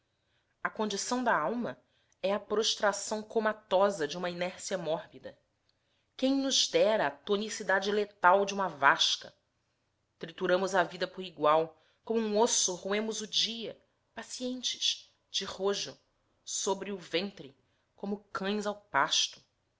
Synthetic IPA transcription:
ɐkõnd͡ʒisɐ̃w̃d̪ɐawmɐ | ɛɐpɾoʃt̪ɾasɐ̃w̃komat̪ɔzɐd͡ʒɪũmɐinɛɾsiɐmɔɾbid̪ɐ | kẽj̃nʊzd̪ɛɾɐːt̪onisid̪ad͡ʒɪlet̪awd͡ʒɪũmɐvaʃkɐ̰ | t̪ɾit̪uɾɐ̃mʊzɐvid̪ɐpʊɾiɡwaw | kõmʊũosʊʁuẽmʊzʊd͡ʒiɐ | pasiẽnt͡ʃɪ̥ʃ | d͡ʒɪʁoʒʊ | sobɾɪʊvẽnt̪ɾɪ | kõmʊkʰɐ̃j̃zawpaʃt̪ʊ̥

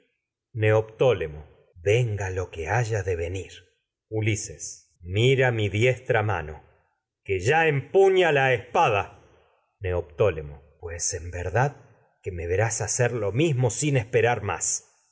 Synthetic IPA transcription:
neopt̪olemo | βeŋɡalo̞keaʒaðeβe̞niɾ | ulises | miɾamiðjest̪ɾama̰no̞ | keʒaempuɲalaespaða | neop̚t̪o̞lemopwesembeɾðað | kemeβeɾasaseɾlo̞mizmo̞sinespeɾaɾma̰s

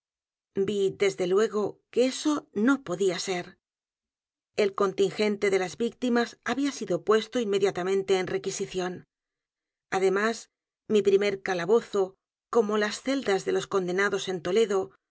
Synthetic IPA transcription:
biðe̞zðe̞lwe̞ɣ̞o̞keeso̞no̞po̞ðiase̞ɾ | e̞lko̞nt̪iŋxe̞nt̪e̞ðe̞lazbik̚t̪imasaβiasiðo̞pwe̞st̪o̞inme̞ðjat̪amẽ̞nt̪e̞ːnre̞kisiθjo̞n | aðe̞mas | mipɾime̞ɾkalaβo̞θo̞ | ko̞mo̞lasθe̞ld̪azðe̞lo̞sko̞nd̪e̞naðo̞se̞nt̪o̞le̞ðo̞

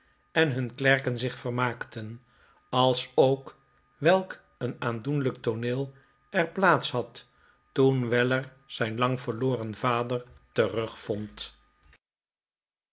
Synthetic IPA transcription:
ɛnɦɵnklɛɹkənzɪχfərmaːktən | ɑlˠsowk | ʋɛlˠk | ənaːndunlək̚tonɪːlˠ | ɛɹplaːtsɦɑt | tunʋɛləɹ | z̥ɛjnlɑŋvəɹloːrənvaːdəɹtərɵχfɔnt

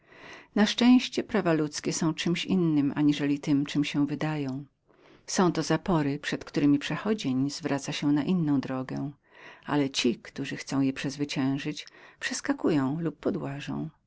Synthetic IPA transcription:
naʂt͡ʂɛ̃w̃ɕt͡ɕɛpɾavalut̪skʲɛsɔ̃w̃t͡ʂɘmɕinːɘmʔa̰ɲiʐɛlʲit̪ɘmt͡ʂɘmɕɛ̃vɘd̪ajɔ̃w̃ | sɔ̃w̃t̪ɔzapɔɾɘpʂɛt̪kt̪uɾɘmʲipʂɛxɔd͡ʑeɲzvɾat̪saɕɛnaʔinːɔ̃w̃d̪ɾɔɡɛ̰ | a̰lɛt͡ɕikt̪uʐɘxt̪sɔ̃w̃jɛpʂɛzvɘt͡ɕɛ̃w̃ʐɘt͡ɕpʂɛskakujɔ̃w̃lupːɔd̪waʐɔ̰̃w̃

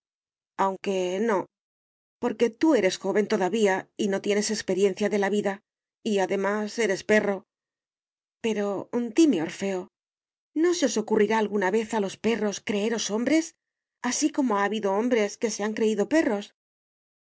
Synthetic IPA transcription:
awŋke̞no̞ | po̞ɾke̞t̪ue̞ɾe̞sxo̞βe̞nt̪o̞ðaβiaino̞t̪je̞ne̞se̞kspe̞ɾje̞n̟θjaðe̞laβiða | iaðe̞mase̞ɾe̞spe̞ro̞ | pe̞ɾo̞nd̪imeo̞ɾfe̞o | no̞se̞o̞so̞kuriɾaːlɣunaβe̞θalo̞spe̞ro̞skɾe̞eɾo̞so̞mbɾe̞s | asiko̞mo̞aːβiðo̞o̞mbɾe̞ske̞se̞aŋkɾe̞iðo̞pe̞ro̞s

